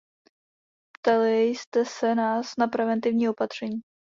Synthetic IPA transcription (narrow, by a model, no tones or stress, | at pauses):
pt̪alɪjst̪ɛsɛnaːsnapɾɛvɛnt̪ɪvɲiːʔo̞pat̪r̝̥ɛɲiː